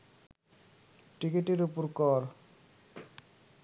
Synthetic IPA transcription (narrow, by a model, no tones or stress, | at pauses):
ʈikeʈeɾupoɾkɔɾ